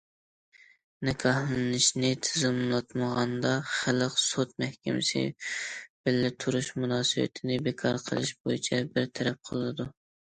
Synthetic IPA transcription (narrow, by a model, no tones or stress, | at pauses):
nɪkʰɑhlˠɨnɪʃnɪt̪ʰɪzɨlmɨlˠɑt̪məʁɑnd̪ɑχælˠəqsot̪̚mɛhkʲɛmɪsɪ̰ | b̥ɪlːɪt̪ʰuɾuʃmunɑːsɨbɛ̰t̪ʰɪnɪbekʰɑɾqʰə̰lˠɨʃbojḭt͡ʃʰɛbɪɾt̪ʰɛɾɛp̚qʰəlˠɨd̪u